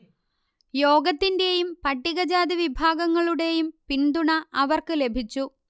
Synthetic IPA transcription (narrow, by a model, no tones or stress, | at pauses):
jo̞ːɡɐt̪ːinde̞jumpɐʈːiɣɐd͡ʑaːd̪iʋibʱaːɡɐŋːɐɭuɽe̞jumpind̪uɳɐʔɐʋɐrkɨle̞bʱit͡ɕːu